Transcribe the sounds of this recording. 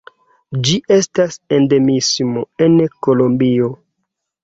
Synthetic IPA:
d͡ʒiʔe̞stasende̞mismo̞e̞nkolombio̞

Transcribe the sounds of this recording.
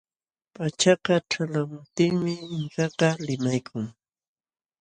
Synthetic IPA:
pat͡ʃɑqɑʈ͡ʂalamʊt̪ɪŋmɪɪŋkɑqɑlɪmajkʰʊŋ

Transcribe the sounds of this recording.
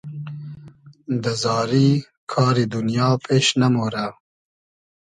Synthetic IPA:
d̪əzɑːɾi | kʰɑːɾid̪unjɑːpʰeːʃnamoɾa

